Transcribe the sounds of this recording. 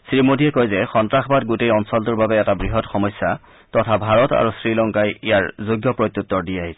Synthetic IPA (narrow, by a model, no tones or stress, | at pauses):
sɹimodijɛkɔjzɛxɔntɹaxbat̚ɡutejɔnsɔltʊɹbabɛɛtabɹiɦɔtxɔmɔjsːa | tɔtʰabʱaɹɔta̰ɹusɹilɔŋkajijaɹzoɡjɔpɹojt̪ːjut̪ːɔɹdijaɦisɛ